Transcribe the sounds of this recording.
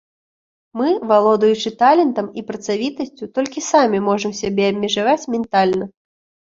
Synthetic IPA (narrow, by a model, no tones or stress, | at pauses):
mɨvalˠɔd̪ɐjut͡ʂɨt̪alʲɛnt̪ɐmipɾɐt̪savʲit̪ɐsʲt͡sʲut̪ɔlʲkʲisamʲimɔʐɐmsʲabʲɛɐbʲmʲɛʐavat͡sʲmʲɛnt̪alʲnɐ